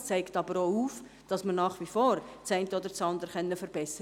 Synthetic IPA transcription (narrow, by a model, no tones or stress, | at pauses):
t͡sæɪktɑbəɾoːuːf | d̥ɑsmənnɑːχʋifoːɾt͡sæɪ̃ntəoːd̪əɾt͡sɑndəɾχɛnːəfəɾb̥ɛsə